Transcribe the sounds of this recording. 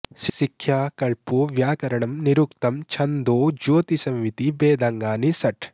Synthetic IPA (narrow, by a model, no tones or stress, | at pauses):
ʃʃikʰjaːkɐɭpuʋjaːkɐɾɐɳɐmniɾukt̪ɐmt͡ʃʰɐnd̪oːd͡ʒoːt̪isɐmʋit̪ibeːd̪aːŋɡaːnisɐʈ